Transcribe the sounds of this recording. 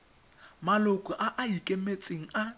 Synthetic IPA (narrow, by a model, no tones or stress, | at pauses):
malʊkʼɔʔaʔaikʼemet͡sʼeŋ̩a